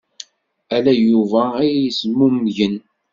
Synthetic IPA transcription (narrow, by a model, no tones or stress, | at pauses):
ælæjuvææjjəsmumʝən